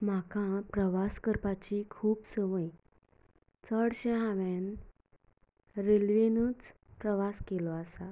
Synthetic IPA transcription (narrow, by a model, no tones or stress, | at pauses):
m̤akãpɾəʋaskəɾpat͡ɕikʰuːpsəʋəj | t͡səɽɕeɦãʋen | ɾelʋenuːt͡s | pɾəʋaskelɔasa